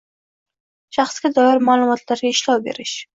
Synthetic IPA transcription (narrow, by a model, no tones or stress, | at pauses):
ʃaχsɡʲɪd̪ɑjɑɾmalumɒt̪laɾɪʃlɑbḛɾɪʃ